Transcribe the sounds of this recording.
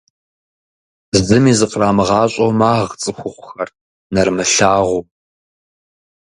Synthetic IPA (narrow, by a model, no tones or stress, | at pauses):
zɨmiːzɨqʼraːmɨʁɑːɕʼowmaːʁt͡sʼɨxʷʊχʷʊxɐr | nɐrmɨɬaːʁʷuː